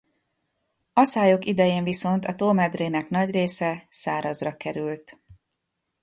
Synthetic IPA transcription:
ɒsaːjo̞kid̪ɛjeːɱviso̞nt̪ɒt̪oːmɛd̪reːnɛkn̪ɒɟreːsɛsaːɾɒzrɒkɛɾylt̪

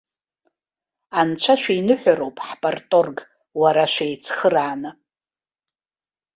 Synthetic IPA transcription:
ant͡ʃʷʰaʃʷᶣainɨħʷᶣaɾowpʼħpʼartʼorɡ | waɾaʃʷejt͡sʰχəraːnɨ

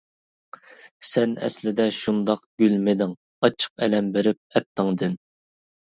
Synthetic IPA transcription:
sɛnɛ̰slɪd̪ɛʃund̪ɑqɡ̥ʲylmɪd̪ɪŋ | ɑt͡ʃʰə̥q̚ɛlɛmbeɾɪp̚ɛp̚t̪ɪŋd̪ɪn

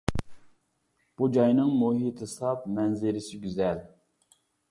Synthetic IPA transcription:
b̥ud͡ʒɑjnɨŋmuɦit̪ʰɪsɑp̚mɛnzɪɾɪsɪɡʲyzɛl

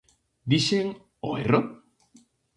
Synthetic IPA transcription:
d̪iʃeŋ | oero

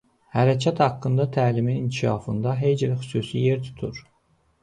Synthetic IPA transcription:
hæɾæcʰæt̪hɑkːɯnd̪ɑt̪ʰæːliminincʰiʃɑ̰ːfɯnd̪ɑɦe̞jd͡ʒilxy̥suːsijeɾt̪ʰu̥t̪ʰuɾ̥

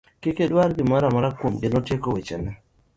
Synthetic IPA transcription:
kekedwaɾɡɪmaɾamaɾakwomɡɪnɔtjekowit͡ʃɛ̰nɛ

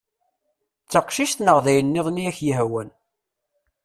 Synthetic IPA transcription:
t͡sːəqʃiʃt̪nəʁðæjənːɪðˤniæçjiɦwæn

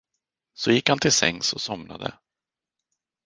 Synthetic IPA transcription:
sɔjɪkhant̪ʰɪlsɛ̰ŋːsɔsɔmna̰d̪ə̰

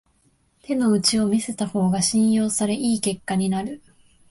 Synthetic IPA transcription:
t̪ʰe̞no̞ɯ̟t͡ɕio̞mʲise̞t̪aho̞ːɡaɕĩɰ̃jo̞ːsaɾe̞ʔiːke̞kːaɲ̟inaɾɯ̟

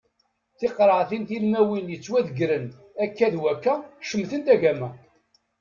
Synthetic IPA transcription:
θɪqɾˤəʕθinθilmæwinjət͡sːwæðəɡɾən | ækːæðwækːæʃəmθənt̪æʝæmæ

